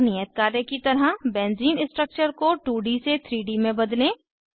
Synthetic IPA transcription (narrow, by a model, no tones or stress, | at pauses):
nijət̪̚kaːɾnekit̪ɐɾəɦbɛ̃ːnziːnɪ̃sʈɾək̚t͡ʃəɾkoʈuːɖiset̪ʰɾiːɖimẽbɐd̪lẽ